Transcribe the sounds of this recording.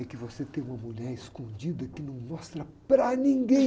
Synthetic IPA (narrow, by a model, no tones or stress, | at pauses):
ɛkɪvoset̪ẽj̃ũmɐmuʎɛɾɪskõd͡ʒid̪ɐkɪnɐ̃w̃mɔst̪ɾɐpɾɐnĩŋɡẽ